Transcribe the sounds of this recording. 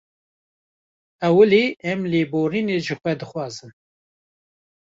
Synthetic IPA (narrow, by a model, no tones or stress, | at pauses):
ɛwəleːɛmleːboːɾiːneʒɨxʷɛd̪ɨxʷɑːzɨn